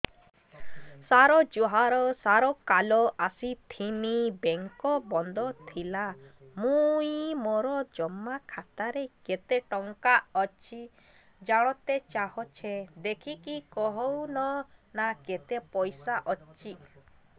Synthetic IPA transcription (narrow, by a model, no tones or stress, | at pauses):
saɾɔd͡ʒoɦaɾɔsaɾɔkalɔʔasit̪ʰinibeŋkɔbɔnd̪ɔt̪ʰila | mũjmoɾɔd͡ʒɔmːakʰat̪aɾeket̪eʈɔŋkaɔt͡ʃʰi | d͡ʒaɽ̃ɔt̪et͡ʃaɦɔt͡ʃʰed̪ekʰikikɔɦɔwnɔnaket̪epɔjsaʔɔt͡ʃʰi